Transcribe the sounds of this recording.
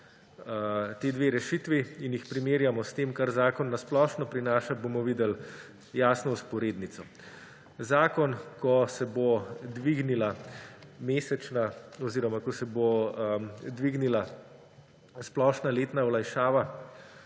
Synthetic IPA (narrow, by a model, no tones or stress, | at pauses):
t̪eːd̪ʋeːɾɛʃit̪ʋiinjixpɾimeːɾjamɔst̪eːmkaɾzaːkɔnːasplɔːʃnɔpɾinaːʃabomɔʋiːd̪ɛl | jaːsnɔuspɔɾeːd̪nit̪sɔ | zaːkɔnkɔsɛbod̪ʋiɡnila | meːsɛt͡ʃnaɔziːɾɔmakɔsɛbo | d̪ʋiɡnila | splɔʃnaleːt̪naɔlajʃaːʋa